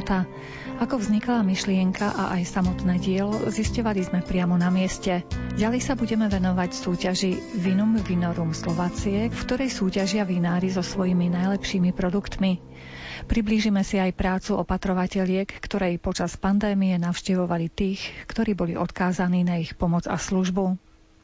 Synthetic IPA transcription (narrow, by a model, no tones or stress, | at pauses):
t̪a | akɔvzɲiklamiʃlɪɛŋkʰaʔa̰ʔajsamɔt̪nɛːɟɪɛlɔziscɔʋalizmɛpɾɪamɔnamɪɛscɛɟalɛjsabuɟɛmɛʋɛnɔʋacsuːcaʒiʋinumvinɔɾuːmslɔʋaːt͡siɛfkt̪ɔɾɛjsuːcaʒɪaʋinaːɾizɔsʋɔjiminajlɛpʃiːmipɾɔd̪ukt̪mi | pɾibliːʒimɛsiajpɾaːt͡suʔɔpat̪ɾɔʋacɛʎɪɛkːt̪ɔɾɛjpɔt͡ʃaspand̪ɛːmijɛnaʊʃcɛʋɔʋalit̪iːxkt̪ɔɾiːbɔliʔɔt̪kaːzaniːnaixpɔmɔd͡za̰sluʒbu